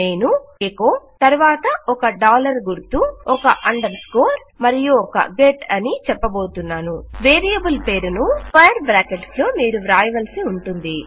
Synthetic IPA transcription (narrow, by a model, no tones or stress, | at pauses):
ne̞ːnuekoːt̪ɐɾuʋaːt̪ɐɔkɐɖaːlɐɾɡuɾt̪uɔkɐʔɐɳɖɐɾskoːɾ | mɐɾijuɔkɐ̰ɡeːʈɐnit͡ʃɛpːɐbo̞ːt̪unːaːnuʋe̞ːɾijɐbulpe̞ːɾunupɐjɐɾbɾaːkeʈslo̞ːmiːɾuɾaːjɐʋɐlsiuɳʈund̪i